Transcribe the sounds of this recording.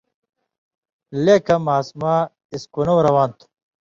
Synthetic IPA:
leːkɐmaːsmaː | iskunɐwɾɐwaːnt̪ʰu̥

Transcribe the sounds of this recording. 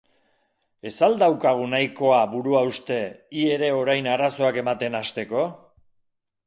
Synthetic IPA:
e̞sald̪awkaɣ̞unajko̞aβuɾuaust̪e̞ie̞ɾe̞o̞ɾajnaɾaso̞ake̞mat̪e̞nast̪e̞ko̞

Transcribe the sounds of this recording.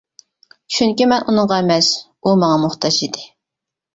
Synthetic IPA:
t͡ʃʰyŋkʲimɛnʔunɨŋʁɑmɛs | umɑŋɑmʊχt̪ʰɑd͡ʒid̪ɪ

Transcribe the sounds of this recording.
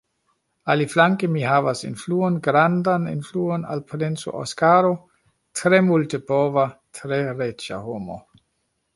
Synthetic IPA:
aliflaŋkemihaːvasenfluːonɡɾandanḛnfluona̰lpʰlenso̰ʔo̰skaːɾo | tʰɾemultebɔvatʰɾeɾet͡ʃa̰homo̰

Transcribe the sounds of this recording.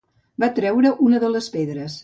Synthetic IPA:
bat̪ɾɛwɾəʔunəðələspeðɾəs

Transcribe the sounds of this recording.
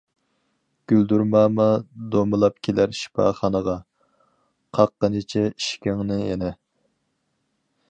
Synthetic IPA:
ɡ̥ʲyld̪uɾmɑːmɑd̪omɨlˠɑpkʲʰelæɾʃi̥pʰɑ̰ːχɑnəʁɑ | qʰɑqːənɪt͡ʃʰɛi̥ʃkʲɪŋnɨjɛ̰nɛ

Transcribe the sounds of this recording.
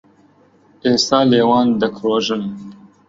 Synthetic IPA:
eːsaːleːwɑːnd̪ɐkʰɾoːʒɨn

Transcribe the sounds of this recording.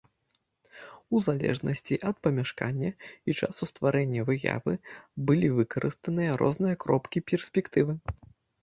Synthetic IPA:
uzalʲɛ̰ʐnʔɐsʲt͡sʲiʔɐt̪̚pɐmʲaʂka̰nʲːɐit͡ʂa̰sust̪vaɾɛnʲːɐvɨja̰vɨbɨlʲivɨkɐɾʔɨst̪ɐnɨjɐɾʔɔ̰znɨjɐkɾɔpkʲipʲɛrsʲpʲɛkt̪ɨvɨ

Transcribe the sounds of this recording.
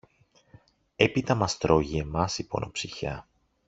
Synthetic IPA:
e̞pit̪ɐmɐst̪ɾo̞ʝie̞mɐsipo̞̰nʔopsiçɐ

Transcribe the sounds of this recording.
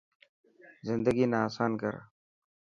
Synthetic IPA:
zɪnd̪aɡinaːsɑːnka̰ɾa̰

